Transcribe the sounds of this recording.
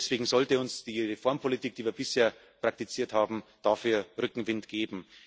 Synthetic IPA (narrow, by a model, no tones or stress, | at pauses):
sv̥eːɡŋ̩zɔltəʊnsd̥iːʁefɔːɐmpʰolitiːk̚d̥iːviːɐbɪsheːɐ | pʁ̥ak̚tit͡siːɐthaːbm̩d̥aːfyːɐʁʏkŋ̩vɪntɡ̥eːbm̩